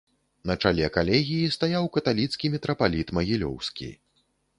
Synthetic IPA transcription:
nɐt͡ʂalʲɛɐkalʲɛɣʲijist̪ajawkɐt̪alʲit̪skʲimʲɛt̪ɾɐpalʲit̪mɐɣʲilʲɔ̰wskʲḭ

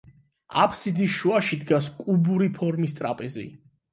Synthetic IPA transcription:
a̰pʰsid̪isʃuaʃid̪ɡaskʼubuɾipʰɔɾmist̪ʼɾapʼɛzḭ

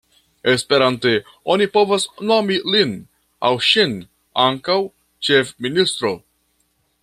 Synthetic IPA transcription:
espe̞ɾante | o̞nipo̞vasnomilin | a̰wʃin | aŋkaw | t͡ʃefminist̪ɾo̞

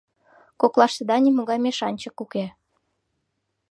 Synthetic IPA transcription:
koklˠɑʃt̪ɤ̆d̪ɑnʲimuɣɑjmeʃɑnʲt͡ɕɤ̆kukʲe

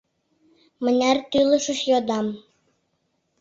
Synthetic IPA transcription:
mə̆nʲært̪ylɤ̆ʃə̆ʃjod̪ɑm

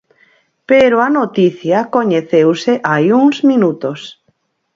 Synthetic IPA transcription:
peɾoanot̪iθjakoɲeθewseʔajuŋzmĩnut̪os

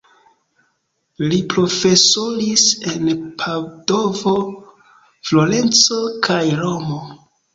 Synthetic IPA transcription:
lipɾo̞fesoɾise̞npʰado̞vo | floɾe̞nt͡so̞kʰajɾomo

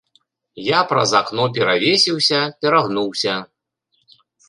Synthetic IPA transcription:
japɾɐ̰zaknɔp̬ʲɛɾavʲesʲiwsʲɐpʲɛɾaɣnuwsʲɐ

